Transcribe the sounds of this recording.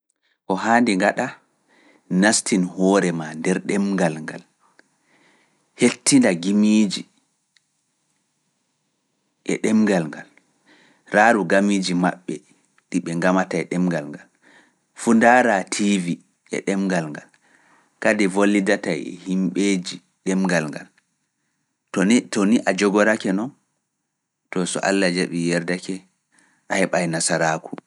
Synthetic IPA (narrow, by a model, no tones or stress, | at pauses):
kɔɦaːndɛŋɡaɗa | nastinhɔːɾɛmandɛɾɗɛmɡalŋɡal | hetːindaɡimiːd͡ʒi | ʔɛ̰ɗɛmɡalŋɡal | ɾaɾuɡamiːd͡ʒima̰ɓːɛ | ɗiɓɛŋɡamatajɗɛmɡalŋɡal | fundaɾatʰivi | ʔɛ̰ɗɛmɡalŋɡal | kadɛvolːidatajɛ̰himɓeːd͡ʒi | ɗɛmɡalŋɡa̰l | tɔniʔad͡ʒɔɡɔɾakɛnɔn | tɔsɔ̰ʔa̰lːad͡ʒaɓijɛɾdakɛ | ʔahɛɓajnasaɾaːkʰu̥